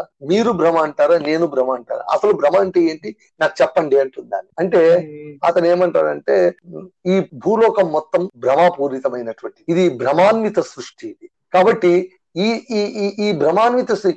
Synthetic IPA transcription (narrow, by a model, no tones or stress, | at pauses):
miːɾubɾɐmaːɐɳʈaːɾaːne̞ːnubɾɐmaːɐɳʈa̰ːɾa̰ɐsɐlubɾɐmaːɳʈeeːɳʈi | naːku̥t͡ʃɛpːɐɳɖeːɐɳʈunɖa̰ːniɐɳʈe̞ːɐt̪ɐne̞ːmɐɳʈa̰ːɾɐɳʈeːiːbʱuːlɔːkɐmːɔt̪ːɐmbɾɐmaːpuːɾit̪ɐmɐjnɐʈʋɐɳʈiid̪ibɾɐmaːnmit̪ɐsɾuʂʈʰii | kaːbɐʈːi | i | iːbɾɐmaːnmit̪ɐsɾu